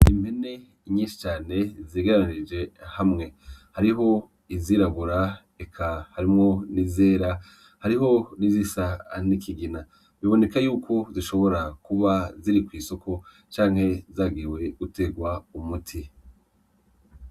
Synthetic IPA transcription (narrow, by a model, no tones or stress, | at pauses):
imbhe̞ne̞ | iɲiːnʃi̥t͡ʃaːne̞ziɡaɾanid͡ʒe̞hamŋe̞haɾiɦo̞ | iziɾaβuɾa | ekʰahaɾimŋo̞nize̞ːɾa | haɾiɦo̞nizisanikʰiɡina | βiβo̞ne̞kajuːkʰo̞ziʃo̞βo̞ɾakuβaziɾikwiːso̞kʰo̞ | t͡ʃaːŋ̥he̞zaːɡiwe̞ɡute̞ɡwaumutʰi